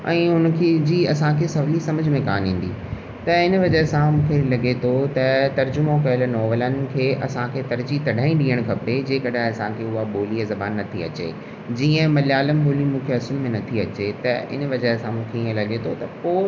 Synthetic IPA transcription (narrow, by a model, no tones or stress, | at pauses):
ʔɛ̰̃ːɦʊnkʰed͡ʑiːɐsãkʰesɐʋlisɐməd͡ʑʱmẽkaːnɦĩːn̆d̪ḭ | t̪ɐɪnəʋɐd͡ʑəɦsãmũːkʰelɐɠet̪ʰot̪ɐt̪ɐɾd͡ʑʊmokɐjəlnɔːʋələnɪ̆kʰeːʔɐ̰sãkʰet̪ɐɾd͡ʑit̪ɐɖ̤ʱaːĩɗiːəɽ̃kʰɐped͡ʑeːkɐɗaɦɐsãkʰeʊɦaɓoːliazɐbaːnːɐt̪ʰiɐ̰t͡ɕḛ | d͡ʑiːə̃mɐljaːləmɓoːlimũːkʰeɐsʊlmẽnɐt̪ʰiɐt͡ɕet̪ɐɪ̰n̆ʋɐd͡ʑəsãmũːkʰeiːə̃lɐɠet̪ʰot̪ɐpoː